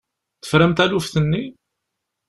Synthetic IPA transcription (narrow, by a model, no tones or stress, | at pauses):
θə̥fɾəmt̪ælufθənːi